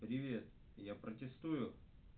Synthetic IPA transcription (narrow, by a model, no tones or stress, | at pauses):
pɾʲɪvʲe̞t̪ | japɾətʲɪst̪ujʊ